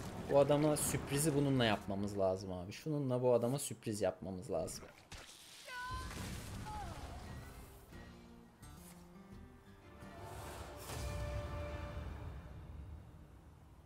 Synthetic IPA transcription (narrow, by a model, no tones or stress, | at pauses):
buad̪amasypɾizibununlˠajapmamɯzlˠaːzɯmhaːbiʃununlˠabuad̪amasypɾizjapmamɯzlˠa̰ːzɯm